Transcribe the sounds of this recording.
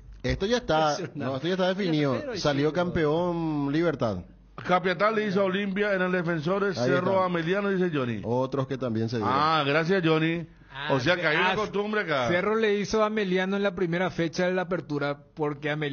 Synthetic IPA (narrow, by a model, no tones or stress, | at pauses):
est̪oʝaest̪anõet̪oaest̪aðefiniðosaljokampeonliβeɾt̪a̰ð | kap̬jat̪̬alːeis̬oaolimpjaenelðefens̬oɾeseroameljanoðis̬ed͡ʒonḭot̪ɾosket̪ambjens̬eðiaɣɾas̬jasd͡ʒoni | os̬eakeaiuakost̪umbɾeakaseroleisoameljanoenlapɾime̞ɾafe̞t͡ʃaðelaːp̬e̞ɾt̪uɾapoɾkeame